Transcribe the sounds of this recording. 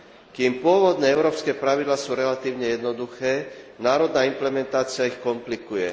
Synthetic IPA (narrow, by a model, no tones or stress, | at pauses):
kiːmpʊɔʋɔd̪nɛːɛʊɾɔːpskɛːpɾaʋid̪laːsuːɾɛlat̪iːʊɲɛjɛd̪nɔd̪uxɛːnaːɾɔd̪naːimplɛmɛnt̪aːt͡sɪaixkɔmplikujɛ